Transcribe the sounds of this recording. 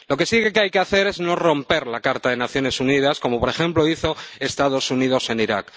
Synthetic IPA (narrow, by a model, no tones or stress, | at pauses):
lo̞ke̞siɣekeajkeaθe̞ɾe̞zno̞ro̞mpe̞ɾlakaɾt̪aðe̞naθjo̞ne̞sunið̞asko̞mo̞po̞ɾe̞xe̞mplo̞iθoest̪að̞o̞suniðo̞se̞niɾak